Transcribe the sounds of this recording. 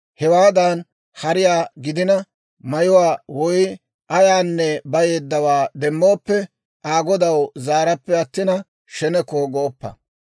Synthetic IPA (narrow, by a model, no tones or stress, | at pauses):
hɛwaːd̪ɐn | hɐɾɪjaːɡɪd̪ɪnɐ | mɐjʊwaːwɔj | ʔɐjaːnːɛbɐje̞ːd̪ːɐwaːd̪ɛmːo̞ːpːɛ | ʔaːɡɔd̪ɐwzaːɾɐpːɛɐt̪ːɪnɐ | ʃɛnɛkoːɡoːpːɐ̰